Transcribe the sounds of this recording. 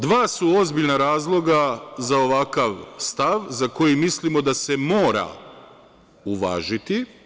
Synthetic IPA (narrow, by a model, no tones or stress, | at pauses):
d̪ʋaːsuo̞zbiʎnaɾaːzlˠo̞ɡazao̞ʋakaʋst̪aʋzako̞jimislimo̞d̪asemo̞ːɾa̰ | uʋa̰ːʒit̪i